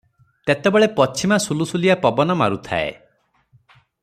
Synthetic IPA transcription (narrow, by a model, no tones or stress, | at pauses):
t̪et̪ebeɭepɔt͡ʃʰimasulusuliapɔbɔnɔma̰ɾut̪ʰa̰ḛ